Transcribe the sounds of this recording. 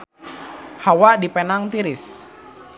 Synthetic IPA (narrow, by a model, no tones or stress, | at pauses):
hawadipɛnaŋt̪iɾɪs